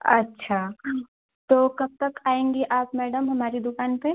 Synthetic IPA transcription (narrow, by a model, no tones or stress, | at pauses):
ɐ̰tːʃʰa | t̪oːkɐb̚t̪ɐkaːẽːŋɡiʔaːpmɛːɖəmɦɐmaːɾid̪ʊkaːnpe